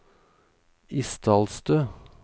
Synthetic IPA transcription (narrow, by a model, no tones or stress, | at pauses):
ɪst̪ʰɑːlst̪øː